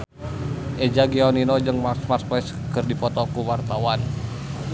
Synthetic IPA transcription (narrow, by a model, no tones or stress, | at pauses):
ʔɛd͡ʒaɡiɔninod͡ʒɨŋmasmart̪̚plɛs | kɨrdipɔt̪ɔkuwart̪awan